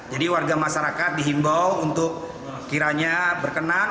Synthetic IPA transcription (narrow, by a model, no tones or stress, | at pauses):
d͡ʒadiwarɡamaʃaɾakat̪̚diɦimbawunt̪ʊk̚ː | iɾaɲabərkəna